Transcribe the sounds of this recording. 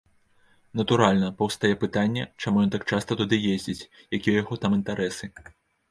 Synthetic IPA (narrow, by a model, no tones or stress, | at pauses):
nɐt̪uɾalʲnɐpɐwst̪ajɛpɨt̪anʲːɛt͡ʂamujɔnt̪ak̚t͡ʂast̪ɐt̪ud̪ɨjezʲd͡zʲit͡sʲ | jakʲijɛjaɣɔt̪amɨnt̪aɾɛsɨ